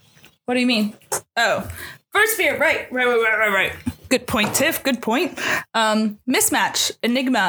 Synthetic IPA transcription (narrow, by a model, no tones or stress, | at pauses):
wʌt̚d̥ɨjɨmĩnoʊfɜ˞stfiɹɹaɪt̚ɹaɪɹaɪʔ̚ɹaɪt̚ɹaɪt̚ɡ̥ʊd̚pʰɔ̃ɪ̃ntʰɪfɡ̥ʊd̚pʰɔ̃ɪ̃nt̚ʌ̃mːɪsmæt͡ʃɨnɪɡ̚mə